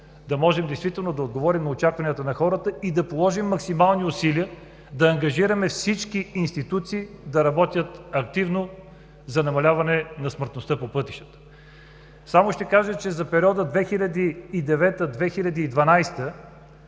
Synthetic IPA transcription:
d̪ɐmɔʒɛmd̪ɛɪjst̪vit̪ɛlˠnod̪ɐod̪ɡovɔɾimnɐot͡ʃakvɐnijət̪ənɐxɔɾət̪əid̪ɐpolˠɔʒimːɐksimalˠniʊsiliə | d̪ɐːŋɡɐʒiɾɐmɛfsit͡ʃkiinst̪it̪ut̪siːd̪ɐɾɐbɔt̪ʲjət̪ɐkt̪ivno | zɐnɐmɐlʲavɐnɛnɐsməɾt̪nost̪əpopɤt̪i̥ʃt̪ə̥t̪ə̥ | samoʃt̪ɛkaʒət͡ʃɛzɐpɛɾʲiɔd̪əd̪vɛxilʲɐd̪iːd̪ɛvɛt̪əd̪vɛxilʲɐd̪iːd̪vɐnajst̪ə

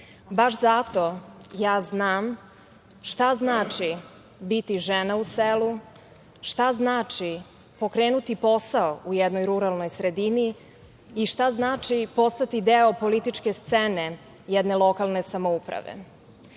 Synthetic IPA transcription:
baʃzat̪o̞jaːznaːm | ʃt̪aznaːt͡ʂi | bit̪iʒenauselu | ʃt̪aznaːt͡ʂi | po̞kɾeːnut̪ipo̞saoujɛd̪nojɾuɾalno̞jsɾed̪iniː | ʃt̪aznaːt͡ʃipo̞st̪at̪id̪eopo̞lit̪it͡ʃke̞st̪sene | jɛd̪nelˠo̞kalˠnesamoupɾa̰ʋḛ

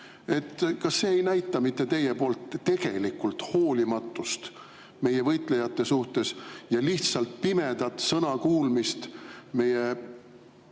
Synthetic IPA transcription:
e̞t̪ːkɑsːeːejnæjt̪ːˑɑmit̪ːe̞t̪e̞jepo̞ːlt̪ːe̞ɡ̥e̞̰likult̪ho̞ːlimɑt̪ːˑust̪ | me̞jevɤjt̪ˑle̞jɑt̪ːˑe̞suht̪e̞sjɑliçt̪sɑlt̪̚pime̞d̪̥ɑt̪sɤnɑkuːlmist̪me̞je

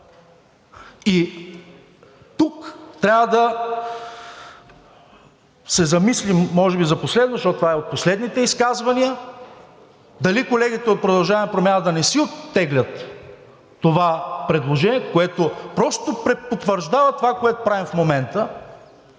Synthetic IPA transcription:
i | t̪ukt̪ɾʲavəd̪ɐ | sɛzɐmislimːɔʒɛbizɐposlɛd̪nozʃt̪ɔt̪t̪ːvaɛot̪̚poslɛd̪nit̪ɛiskazvɐniə | d̪ɐlikolɛɡʲit̪ɛot̪̚pɾod̪ɐlˠʒavɐmɛpɾomʲanəd̪ɐnɛsiot̪ːɛɡlʲɐt̪ː | ovapɾɛd̪lˠoʒɛniɛkoɛt̪opɾɔst̪opɾɛpot̪vəɾʒd̪avət̪ovakoɛt̪opɾavimfmomɛnt̪ə

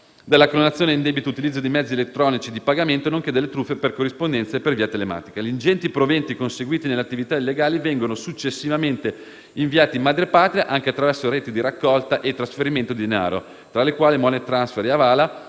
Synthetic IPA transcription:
d̪elːakɾonat̪sjoːneind̪ɛbit̪out̪ilid̪zːod̪imɛd̪zielet̪ːɾɔːnit͡ʃid̪ipaɡament̪onoŋked̪elːet̪ɾufːeperkorːispond̪ɛnt̪saepːerviːat̪elema̰ːt̪i̥kaʎind͡ʒɛnt̪ipɾovɛnt̪ikonseɡwiːt̪ineleat̪ːivit̪ailːeɡaːlivɛŋɡonosut͡ʃːesːivament̪e | iɱviaːt̪imad̪ɾepaːt̪ɾiaʔaŋk̟eat̪ːɾavɛrsoɾeːt̪id̪iɾakːɔlt̪aʔet̪ːɾasfeɾiment̪od̪id̪ena̰ːɾo̰ | t̪ɾalekwaːlimɔnet̪ɾansfeɾeavaːla

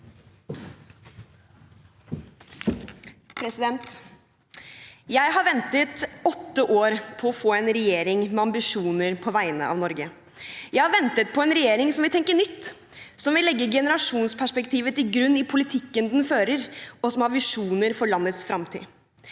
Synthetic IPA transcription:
pʰɾɛsɪd̪ɛnt̪ | jæɪɦɑɾʋɛnt̪ət̪ɔt̪ːəʔoːɾpʰɔɔfoːɛnɾɛjeːɾɪŋmɛɑmbɪʂuːnəɾpʰɔʋæɪənə̰ɑ̰ʋnɔɾɡə | jæɪhɑɾʋɛnt̪ət̪̚pʰɔɛnɾɛjeːɾɪŋsɔmʋɪt̪ʰɛŋkəɳʏt̪ː | sɔmʋɪlɛɡːəɾɡɛnəɾɑʂuːnspʰæʂpɛkt̪ʰiːʋət̪ɪɡɾʉnːɪpʰʊlɪt̪ʰɪkːənd̪nføːɾəɾɔsɔmhɑɾʋɪʂuːnəɾfɔɾɭɑnːət̪sfɾɑmt̪ʰḭː

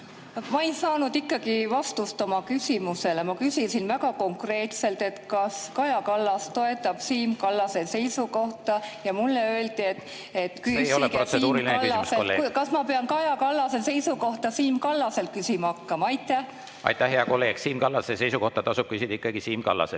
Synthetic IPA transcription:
mɑejsɑːnud̪̥ikːˑɑɡ̥ivɑst̪ust̪o̞mɑkysʲimuse̞le̞mɑkysinsinvækɑko̞ŋkre̞ːt̪se̞lt̪e̞t̪kɑskɑjɑkɑlːɑstt̪o̞e̞t̪ːˑɑb̥siːmkɑlːɑse̞se̞jsuko̞ht̪ɑjɑmulːe̞ø̞ːlt̪iet̪ | e̞t̪ːkyeejolroseuːɾilinlːɑselḛkɑsmɑpe̞ɑnkɑjɑkɑlːɑse̞se̞jsuko̞ht̪ɑsiːmkɑlːɑse̞lt̪̚kysimɑɑkːɑmɑɑjt̪ːˑæh | ɑ̰jt̪ːˑæhɦeɑkolːe̞ːɡ̥siːmkɑlːɑsese̞jsuko̞ht̪ɑt̪ɑsub̥̚kysid̪̥ɑikːˑɑɡ̥isiːmkɑ̰lːɑ̰se

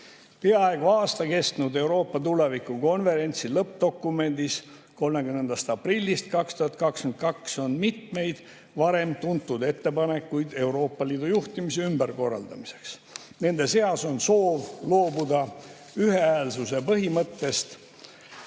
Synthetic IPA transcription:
peɑeɡ̥uɑːst̪ɑke̞st̪nud̪e̞wɾo̞ːpːɑt̪ule̞vikuko̞nve̞ɾe̞nʲt̪silɤp̚d̪̥o̞kːˑume̞nʲd̪is | ko̞lmekymnːend̪ɑst̪ɑprilʲːist̪̚kɑkst̪uhɑt̪̚kɑkskymnt̪kɑkso̞nmit̪me̞jd̪̥ | vɑɾe̞mt̪unt̪ːˑud̪e̞t̪ːe̞pɑne̞kːˑujd̪̥e̞uɾo̞ːpːɑliːd̪ujuht̪imiseymbæɾko̞rːɑ̰ld̪ɑmise̞̥ks | ne̞nd̪e̞se̞ɑso̞nso̞ːvlo̞ːbud̪ɑ | yheæːlsuse̞pɤɦimɤt̪ːe̞st̪

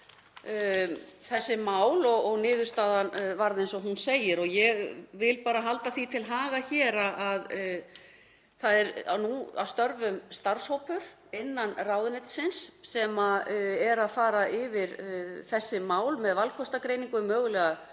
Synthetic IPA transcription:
θɛsːɪmaːwlɔɣɔɣnɪːðʏɾst̪aːðanvaɾðɪnsɔɦunseːjɪɾɔɣjɛɣvɪlpaːɾaɦalt̪aθit̪ʰɪlɦaːɣaçɛːɾaað | θaðɛɾa̰nua̰wst̪œɾvʏmst̪aɾ̥showpʏɾ̥ | ɪnːanraːwðʏnɪt̪sɪnsːɛmaɛɾaðfaːɾaʔɪvɪɾθɛsːɪmaːwlmɛðvalkʰɔst̪akɾeːjniŋkʏmœːɣʏlɛɣa

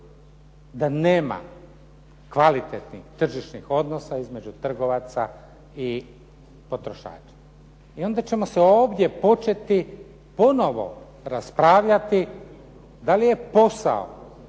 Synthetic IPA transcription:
d̪ane̞ːma̰ | kʋalit̪et̪nixt̪r̩ʒiʃnixo̞d̪no̞saizme̞d͡ʒut̪r̩ɡo̞ʋat̪sa̰ | i | po̞t̪ɾo̞ʃa̰ːt͡ʃḁ | io̞nd̪at͡ɕe̞mo̞seo̞ːʋd̪je̞po̞t͡ʃet̪i | po̞no̞ʋo̰ | ɾaspɾaːʋʎat̪i | d̪alije̞po̞sa̰o̰

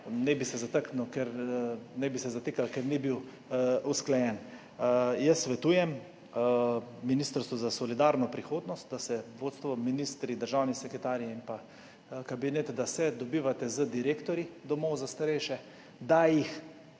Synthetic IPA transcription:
nɛbisɛzat̪əknukɛɾnɛbisɛzat̪ekalkɛɾnibiw | usklɛjɛn | jəsːʋɛt̪uːjɛm | miniːst̪əɾst̪ʋɔzasɔlid̪aːɾnɔpɾixoːd̪nɔst̪̚d̪asɛʋoːt̪st̪ʋɔminiːst̪ɾid̪əɾʒawnisɛkɾɛt̪aːɾijɛimpa | kabinet̪d̪asɛd̪ɔbiːʋat̪ɛzəd̪iɾeːkt̪ɔɾid̪ɔmɔwzast̪aɾɛjʃɛ | d̪ajix

